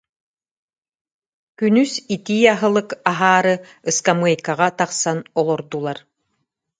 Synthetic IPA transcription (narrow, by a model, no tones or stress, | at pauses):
kynysit̪iːaɦɯlˠɯkaɦaːɾɯ | ɯskamɯɐjkaʁat̪aqsanɔlˠɔɾd̪ulˠaɾ